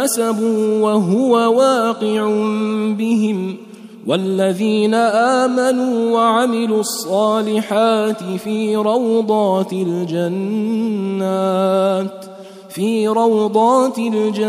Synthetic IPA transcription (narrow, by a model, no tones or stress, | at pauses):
asabuːwaɦʊwawaːqɪʕʊbɪɦɪm | wʔalːaðiːnaʔaːmanuːwaʕamɪluːɑsˤːɑːlɪħaːt̪ɪfiːɾˤɑwd̪ˤɑːt̪ɪld͡ʒanː | aːt̪ | fiːɾˤɑwd̪ˤɑːt̪ɪld͡ʒa